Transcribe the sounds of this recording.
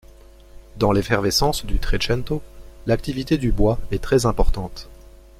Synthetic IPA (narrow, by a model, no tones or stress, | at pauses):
d̪ɑ̃lefɛʁvesɑ̃sd̪yt̪χet͡ʃɛ̃nt̪olak̚t̪ivit̪ed̪ybwaɛt̪χɛzɛ̃pɔʁt̪ɑ̃t̪